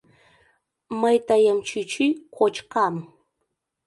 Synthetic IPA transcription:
majt̪ajamt͡ʃʊt͡ʃʊjkʰot͡ʃqɑm

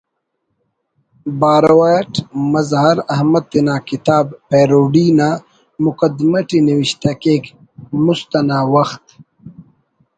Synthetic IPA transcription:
baːɾowajʈmɐzhɐɾɐhmɐd̪̚t̪ːinaːkit̪aːbpeːɾoːɖina | mʊkɐd̪maʈiniwiɕt̪akeːk | must̪ɐnaːwɐxt̪

